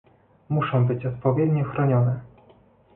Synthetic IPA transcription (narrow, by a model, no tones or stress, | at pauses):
muʂɔ̃w̃bɘt͡ɕɔt̪̚pɔvʲjɛd̪ɲɔxɾɔɲɔnɛ